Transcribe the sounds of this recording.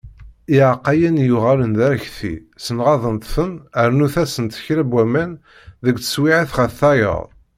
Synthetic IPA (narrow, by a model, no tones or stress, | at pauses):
iʕaqːɑjænjʊʁælənd̪æɾçθḭsənʁɑðˤənt̪fənəɾnuθæsənt̪çɾæbwːæmæn | ðəɡt͡sə̥swiʕiθχəθɑjə̰ðˤ